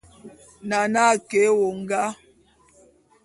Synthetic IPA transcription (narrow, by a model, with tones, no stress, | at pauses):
na˨na˦˨ke˨˦wo˨ŋ̩˦ɡa˦